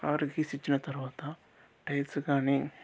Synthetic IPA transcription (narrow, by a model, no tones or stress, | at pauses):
kaːɾɡisit͡ʃːinɐt̪ɐɾʋaːt̪ɐ | ʈɐjʈskaːni